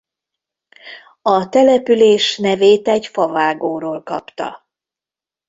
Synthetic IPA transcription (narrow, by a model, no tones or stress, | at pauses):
ɒt̪ɛlɛpyleːʃnɛveːt̪ɛɟfɒvaːɡoːɾoːlkɒ̰pt̪ɒ̰